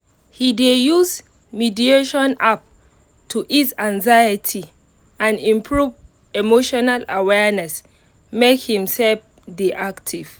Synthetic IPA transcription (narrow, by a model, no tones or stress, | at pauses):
hidejus | midieʃɔ̃nap̚ | tʰuʔisãŋzajətʰi | ãnĩmpʰɹuv | emoʃɔnalawɛnɛs | mekhĩmsɛlf | diʔaktʰiv̥